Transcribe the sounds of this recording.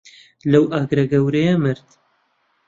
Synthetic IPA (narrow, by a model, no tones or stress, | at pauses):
lɐwʔaːɡɾɐɡɐwɾejamɨɾt̪